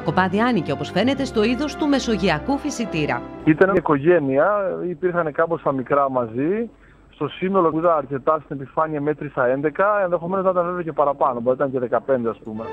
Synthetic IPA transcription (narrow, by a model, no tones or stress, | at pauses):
ko̞pɐðiɐnice̞o̞po̞sfe̞ne̞t̪e̞st̪o̞iðo̞st̪ume̞so̞ʝiɐkufisit̪iɾɐ̰it̪ɐneiko̞ʝe̞niɐipiɾxɐne̞kɐpo̞st̪ɐmikɾɐmɐzi | st̪o̞sino̞lo̞iðɐnɐɾce̞t̪ɐst̪inepifɐɲiɐmet̪ɾisɐe̞nd̪e̞kɐenðe̞xo̞me̞noznɐit̪ɐnveveoce̞pɐɾɐpɐno̞boit̪ɐnɲceðe̞kɐpe̞nd̪eɐspume̞